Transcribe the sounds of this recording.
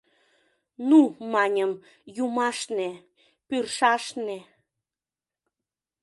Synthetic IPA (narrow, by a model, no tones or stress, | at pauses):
numɑnʲəm | jumɑʃne | pyrʃɑʃne